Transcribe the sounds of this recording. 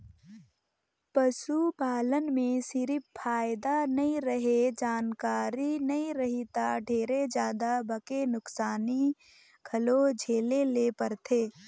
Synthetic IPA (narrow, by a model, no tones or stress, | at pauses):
pɐsupaːlənmẽsɪɾɪppʰaːɪd̪anɐĩɾəɦed͡ʒaːnkaːɾinɐĩɾɐɦit̪aɖʱeːɾed͡ʒjaːd̪abɐkenʊksaːni | ɡʱɐlod͡ʒʱeːleleːpəɾt̪ʰeː